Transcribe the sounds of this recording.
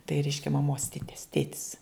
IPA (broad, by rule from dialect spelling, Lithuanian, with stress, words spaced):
tɐɪ ˈrʲɛɪʃʲkʲɛ mɐˈmoːs ˈtʲɪtʲɛs ˈtʲeːtʲɪs